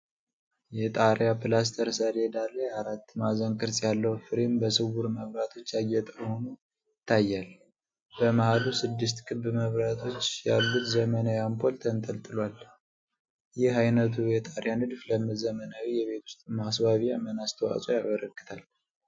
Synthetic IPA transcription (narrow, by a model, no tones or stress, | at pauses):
jɛt̪ʼaɾjapɨlas̬t̪ʰəɾsəɾed̪alːəjaɾat̪ːmazəŋkʼɨɾsʼjalːəhwfɨɾimbəsɨwuɾməβɾat̪ʰo̞t͡ʃːjajːɛt̪ʼəho̞nu | ɪt̪ʰːajːal | bəmahalusɨd̪ːɨs̬t̪kʰʼɨβːɨməβɾat̪ʰo̞t͡ʃːjalːut̪zəmənawjampʰo̞lt̪ʰənt̪ʼəlt̪ʼɨlwal | jɪɦajnət̪ʰujɛt̪ʼaɾjanɨd̪fləmɨzəmənawijɛβe̞t̪ʰu̥st̪ʼmasbaβijamənast̪ʰəwa̰sʼojaβəɾəkːɨ̥t̪ʰal